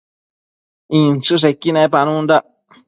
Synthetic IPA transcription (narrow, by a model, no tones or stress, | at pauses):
ĩnt͡ʃɨs̬ekːinãpanũnd̪a